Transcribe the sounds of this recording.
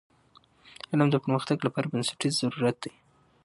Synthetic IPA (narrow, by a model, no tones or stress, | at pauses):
alamd̪əpəɾməxt̪aɡlapɑɾabansḁʈiz̥aɾuɾat̪̚d̪aj